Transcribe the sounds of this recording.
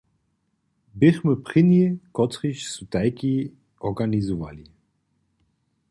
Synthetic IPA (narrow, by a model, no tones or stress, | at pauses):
bɪxməpχɪnikɔt̪ʁiʃsut̪ajki | ɔʁɡanizuva̰li